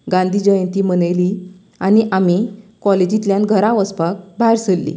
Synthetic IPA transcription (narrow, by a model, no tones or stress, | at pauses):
ɡãnd̪ʱiːd͡ʑəjə̃nt̪iːmənəjli | añiʔamikɔled͡ʑit̪ljãnɡʱəɾãʋəspak̚bʱajɾsəlːḭ